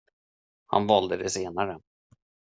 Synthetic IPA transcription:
ha̰nvɑld̪əd̪ɛseːnaɾə

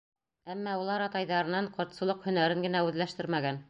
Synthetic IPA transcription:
æmːæulˠɑɾɑt̪ɑjðɑɾɤ̆nɑɴqŏɾt̪sɤ̆lˠɤqhɵ̆næɾɘŋɡɘ̆næʉðlæʃt̪ɘɾmæɡæn

